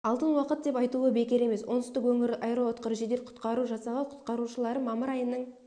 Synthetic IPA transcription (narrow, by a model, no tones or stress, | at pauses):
ɑlˠt̪ənwɑqət̪̚d̪e̞pɑjt̪uəbe̞kʲe̞ɾe̞me̞swonəst̪əkwɵŋɪɾɑjɾoot̪qəɾʒed̪e̞ɾqʰʊ̥t̪qɑɾuʒɑsɑʁɑqʰʊ̥t̪qɑɾuʃəlˠɑɾəmɑməɾɑjənːəɴ